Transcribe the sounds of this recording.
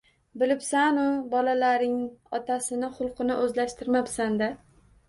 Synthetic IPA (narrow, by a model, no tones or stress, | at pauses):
bɪlɪpsanʊbɒlalaɾɪŋɒt̪ʰasɪnɪχʊlˠqʰɨnɪʔɵzlaʃt̪ɪɾmapsand̪a